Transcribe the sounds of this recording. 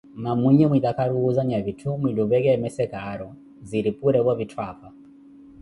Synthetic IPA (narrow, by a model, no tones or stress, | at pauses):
mamuɲɛmwiðakaɾuːzaɲaβitʰumwiluβɛk̬ɛɛmɛsɛkaːɾɔ | ziɾipuɾɛβwaβitʰwafa